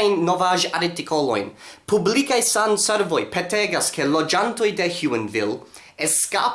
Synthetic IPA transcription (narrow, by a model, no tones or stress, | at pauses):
jnːovaʒaɾtiko̞lo̞̰jnpublikajsanse̞ɾvo̞jpʰeteɡaske̞lo̞d͡ʒanto̞jde̞hjuenvḭl | eska̰